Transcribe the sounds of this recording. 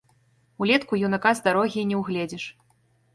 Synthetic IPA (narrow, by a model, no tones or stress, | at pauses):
ulʲɛt̪kujunakazd̪aɾɔɣʲinʲɛwɣlʲɛd͡zʲɛʂ